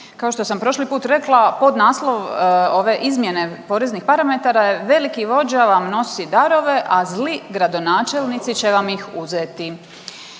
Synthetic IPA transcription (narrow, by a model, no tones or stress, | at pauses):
kaoʃt̪o̞sampɾo̞ʃlipuːt̪ɾe̞klˠapo̞d̪naːslˠo̞ʋo̞ʋe̞ʔizmje̞ne̞po̞ːɾeznixpaɾamet̪aɾajeʋe̞likiʋo̞d͡ʑaʋamno̞sid̪aɾo̞ʋe̞ʔazliɡɾad̪o̞naːt͡ʃe̞lˠnit̪sit͡ɕe̞ʋamixuzet̪i